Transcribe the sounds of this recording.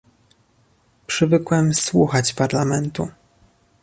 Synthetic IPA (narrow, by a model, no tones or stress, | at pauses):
pʂɘvɘkwɛmswuxat͡ɕpaɾlamɛnt̪u